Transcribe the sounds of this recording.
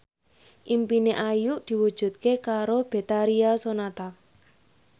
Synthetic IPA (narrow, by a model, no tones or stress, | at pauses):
ʔimpineʔajuʔd̪̥i̤wud̥ʒ̥ṳt̪̚kekaɾob̥e̤t̪aɾiasonat̪a